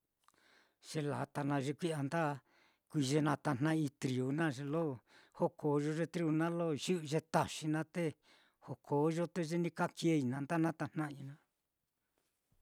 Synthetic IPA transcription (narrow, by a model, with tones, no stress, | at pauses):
ʒ̥e˧la̰˨t̪a˧nã˧ʐe˧kʷi˦a˧nd̪a˦ | kʷi˧ʒe˧nã˧t̪a˧˨n̥nã˧ĩ˧t̪ɾi˨u˧nã˦ʐe˧lo˦˨ho˦kʰo˨˦ʒo˧ʐe˧t̪ɾi˧u˧nã˦lo˦ʒi˦˧ʒe˧t̪a˨ʃi˧nã˧t̪e˦ | ho˨kʰoː˨˦ʒo˦t̪e˧ʒe˦nĩ˧ka˦kje˧i˧nã˧nd̪a˦nã˦t̪a˧n̥nã˦ĩ˧nã˧